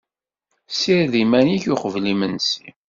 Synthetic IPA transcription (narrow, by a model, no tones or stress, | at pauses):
siɾðimæniçʊχəvlimənsi